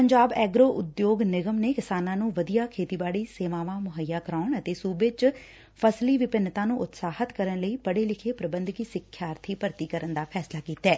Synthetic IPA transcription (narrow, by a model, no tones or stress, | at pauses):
pəɲd͡ʒaːbɛːɡɾoːʔʊd̪joːɡnɪɡəmneːkɪsaːnãːnũːʋəd̪ijaːkʰeːt̪iːbaːɽiːseːʋãːʋãːmʊɦəjːaːkəɾaːɳət̪eːsuːbeːt͡ʃ | pʰəsliːʋɪpɪnːt̪ãːnũːʔʊt̪saːhət̪kəɾənləiːpəɽeːlɪkʰeːpɾəbə̃nd̪kiːsɪkʰːjaːɾt̪ʰiːpəɾt̪iːkəɾənd̪aːpʰɛːslaːkiːt̪ɛː